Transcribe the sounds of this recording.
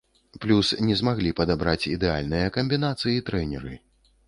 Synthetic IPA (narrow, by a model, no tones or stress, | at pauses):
plʲusnʲɛzmaɣlʲipɐd̪abɾat͡sʲid̪ɛa̰lʲnɨjɐkɐmʲbʲinat̪sɨjit̪ɾɛnʲɛɾɨ̰